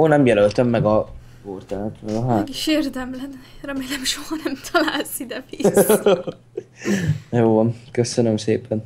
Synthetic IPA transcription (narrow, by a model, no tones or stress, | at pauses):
onːɛmjɛlølt̪ømːɛɡɒ | kort̪aːt̪mɛɡɒɦaɛɡiʃeːrd̪ɛmlɛnrɛmeːlɛmʃoɦɒnɛmt̪ʰɒlaːlsid̪ɛvis | ɛjoːvɒnkøsønømseːpɛn